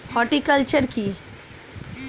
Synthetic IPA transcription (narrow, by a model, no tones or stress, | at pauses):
hɔʈikəlt͡ʃəɾki